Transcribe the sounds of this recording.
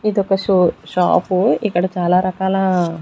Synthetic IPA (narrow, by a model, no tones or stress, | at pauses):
id̪ɔkɐʃʃa̰ːpuikːɐɽɐt͡ʃaːlaːɾɐkaːlɐ